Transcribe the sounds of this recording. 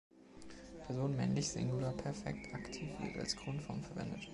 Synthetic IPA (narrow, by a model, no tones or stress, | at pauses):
pʰɛɐzoːnmɛ̰nlɪçz̥ɪ̰ŋɡulaːpʰɛɐfɛ̰ktʰaktʰiːfvɪ̰ɐta̰lskʁ̥onfɔɐmfɛɐvɛ̰ndət